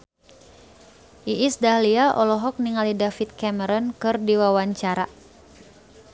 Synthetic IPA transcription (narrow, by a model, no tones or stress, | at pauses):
ʔiːsdahliaʔɔlɔɦɔk̚niŋalidafit̪̚kɛməɾɔnkɨrdiwawaɲt͡ʃaɾa